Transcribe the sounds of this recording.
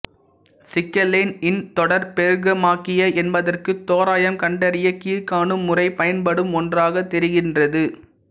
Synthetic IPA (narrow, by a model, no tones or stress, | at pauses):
sɪkːɐlːenɪnt̪ɔɽɐɾpɛɾɯɣɐmaːkɪjɐʔɛnbɐðɐrkɯt̪ːoːɾaːjɐmkɐɳɖɐɾɪjɐkiːɾkaːɳɯmːʊrɐɪpɐjɐnpɐɽɯmɔndraːɣɐt̪ːɛɾɪɣɪndrɐðɯ